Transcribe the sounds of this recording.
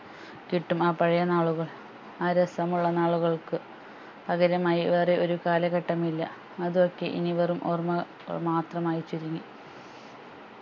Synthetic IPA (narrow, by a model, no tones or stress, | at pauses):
kiʈːumaːpɐɻɐjɐnaːɭuɣɐɭ | aːɾɐsɐmuɭːɐnaːɭuɣɐɭkɨ | pɐɣɐɾɐmaːjiʋɐreʔo̞ɾukaːlɐɣɐʈːɐmilːɐ | ɐðuokːe̞̰ʔḭniʋɐrumʔo̰rmɐ | ɐ̰ɭmaːt̪rɐmaːjit͡ɕːiɾuŋːi